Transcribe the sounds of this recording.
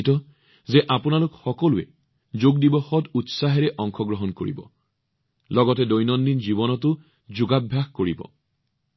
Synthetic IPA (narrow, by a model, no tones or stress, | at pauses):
tɔ | zɛʔapʊnalukxɔkɔluɛ̰ | zoɡdibɔxɔtutsaɦɛɹɛʔɔŋxʰɔɡɹɔɦɔnko̰ɹḭbɔ̰ | lɔɡɔtɛdojnɔndinzibɔnɔtʊ | zʊɡabʱjaxkoɹibɔ̰